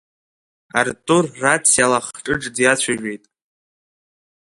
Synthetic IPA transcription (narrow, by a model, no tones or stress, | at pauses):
artʼʊrːat͡sʰjalaχʈ͡ʂʼɨʈ͡ʂʼdjat͡ɕʷʰaʒᶣe̞jtʼ